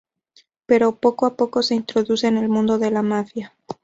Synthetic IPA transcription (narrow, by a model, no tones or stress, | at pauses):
pe̞ɾo̞po̞koapo̞ko̞se̞int̪ɾo̞ðuse̞ːne̞lmũnd̪o̞ðe̞lamafja